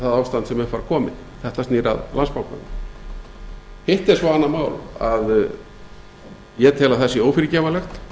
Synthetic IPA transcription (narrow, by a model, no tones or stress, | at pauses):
θaðawst̪ant̪sɛmɛfaɾkʰɔːmɪ̰ð | θɛht̪ast̪niːɾa̰ðlanspawka̰nɪ | hɪht̪ɛɾsvaanːamaːwlað | jɛt̪ʰɛːlaθɛsːɪoːwfɪɾɪcɛːvalɛxt̪